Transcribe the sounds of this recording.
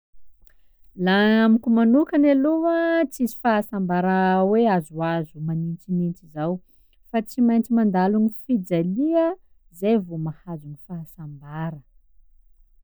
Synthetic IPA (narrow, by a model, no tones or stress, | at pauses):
laamikʲumanukaneluət͡sizi̥faɦasambaɾaweazuazumanint͡sinint͡sizaw | fat͡simajnt͡simand̪alunifid͡zaliə | zejvomahazunifaɦasambaɾə